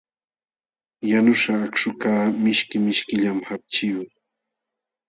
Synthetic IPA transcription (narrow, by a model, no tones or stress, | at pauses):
janʊʂaːkʃʊkaːmɪʃkɪmɪʃkɪʎamhap̚t͡ʃɪjoŋ